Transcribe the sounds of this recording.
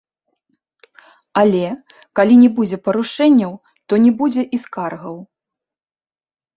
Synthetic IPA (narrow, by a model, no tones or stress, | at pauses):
alʲɛ | kalʲinʲɛbud͡zʲɛpɐɾuʂɛnʲːɐw | t̪ɔnʲɛbud͡zʲɛʔiskarɣɐw